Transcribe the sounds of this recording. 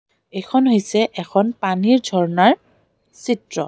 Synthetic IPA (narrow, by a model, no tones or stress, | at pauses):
ejkʰɔnɦojsɛʔɛkʰɔnpaniɹdʱɔɹnaɹ | sitɹɔ̰